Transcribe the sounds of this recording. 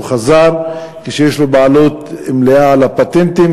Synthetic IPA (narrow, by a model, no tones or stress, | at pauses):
χazaɾ | keʃejeʃlobaalot̪emleaalapat̪ent̪im